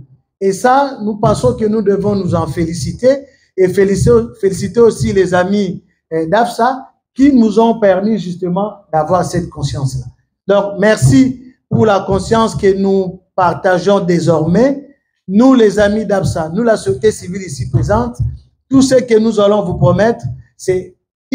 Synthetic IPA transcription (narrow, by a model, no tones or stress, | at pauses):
esanupɑ̃sɔ̃kənud̪əvɔ̃nuzɑ̃felisit̪eː | felfelisit̪eosilezami | d̪apsa | kinuzɔ̃pɛʁmiʒyst̪əmɑ̃d̪avwaʁsɛt̪̚kɔ̃sjɑ̃sla | dɔ̃kmɛʁsipuʁlakɔ̃sjɑ̃skənupaʁt̪aʒɔ̃d̪ezɔʁmɛ | nulezamid̪apsanulasɔset̪esivilisipχezɑ̃t̪ː | usəkənuzalɔ̃vupχɔmɛt̪χsɛ